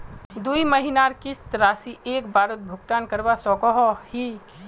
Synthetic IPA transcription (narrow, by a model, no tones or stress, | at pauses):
d̪uimɐɦinaːɾkɪst̪ɾaːsiʔeːkbʱaːɾət̪̚bʱʊɡt̪aːnkɐɾʋasɔːkɔɦɔhiː